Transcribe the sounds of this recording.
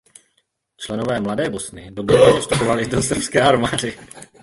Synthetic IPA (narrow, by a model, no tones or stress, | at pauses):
t͡ʃlɛnovɛːmladɛːbo̞snɪdobɾɛnɛvost̪upovalɪdosfskɛːaɾmaːdɪ